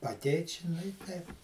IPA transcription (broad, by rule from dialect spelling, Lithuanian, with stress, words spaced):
ɐˈtʲɛɪtʲ ˈt͡ʃʲɪ ˈnʊ ɪ ˈtʲɛɪp